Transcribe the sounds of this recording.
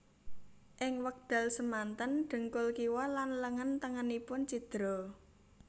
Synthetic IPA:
ʔɪŋwək̚d̪̥a̤lsəmant̪ənɖ̪̥ə̤ŋkʊlkiwɔlanləŋənt̪əŋənipʊnt͡ʃid̪̥ɾɔ

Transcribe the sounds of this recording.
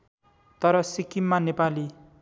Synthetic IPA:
t̪ʌɾʌsikimːanepali

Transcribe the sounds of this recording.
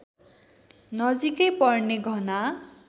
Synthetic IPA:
nʌzikejpɔɹneɡʱɔna

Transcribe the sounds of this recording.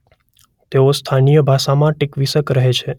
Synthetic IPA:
t̪eost̪ʰanijəbʱaʃamãʈikʋisəkɾəɦet͡ʃʰe

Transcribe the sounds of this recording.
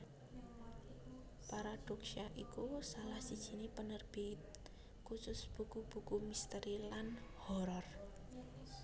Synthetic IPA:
paɾad̥ɔksiaʔikusalahsid̥ʒ̥i̤nepənərb̥it | kusʊsb̥ṳkub̥ṳkumist̪əɾilanhɔɾɔr

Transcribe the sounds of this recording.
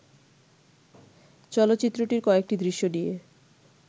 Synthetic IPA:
t͡ɕɔlot̪ːɕit̪ːɾoʈiɾkɔek̚ʈid̪ɾiʃːoɖije

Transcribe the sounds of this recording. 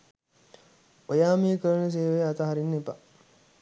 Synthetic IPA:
ojaːmiːəkəɾənəs̬eːʋeat̪aɦaɾinːepa

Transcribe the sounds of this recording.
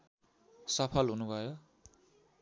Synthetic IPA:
sʌpʰʌlɦunubʱʌjo

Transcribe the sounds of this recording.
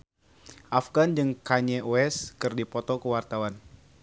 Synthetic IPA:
ʔafɡand͡ʒɨŋkaɲɛʔoɛskɨrdipɔt̪ɔkəwart̪awan

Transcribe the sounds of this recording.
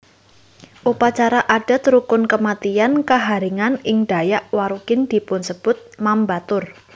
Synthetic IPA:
ʔupat͡ʃaɾaʔaɖ̥a̤t̪ɾukʊnkəmat̪iankəɦaɾiŋanɪŋɖ̥a̤jaʔwaɾukɪnd̪̥i̤pʊnsəb̥ʊt̪̚mambat̪ʊr

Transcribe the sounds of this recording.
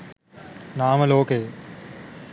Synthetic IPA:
naːməloːkeː

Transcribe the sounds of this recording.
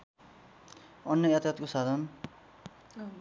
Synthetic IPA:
ʌnjʌjʌt̪jʌt̪kosad̪ʱʌn

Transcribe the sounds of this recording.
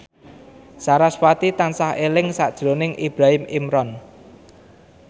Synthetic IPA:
saɾaswat̪it̪ansahelɪŋsa̰d̥ʒ̥ɾonɪŋʔib̥ɾaɦɪmimɾɔn

